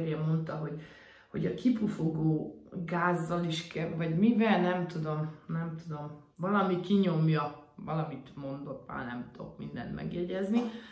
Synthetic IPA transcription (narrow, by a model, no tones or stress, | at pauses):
ɾemːo̞nt̪ɒɦo̞ɟ | ho̞̰ɟɒkipufoɡoːɡaːzːɒliʃkɛvɒɟmivɛlnɛmt̪ud̪o̞mnɛmt̪ud̪o̞m | vɒlɒmikiɲo̞mjɒ | vɒ̰lɒmit̪mo̞nd̪o̞k̪ma̰ːnɛ̰mt̪ʰo̞̰kmḭnd̪ɛ̰nt̪mʔɛ̰ɡjɛɟɛzni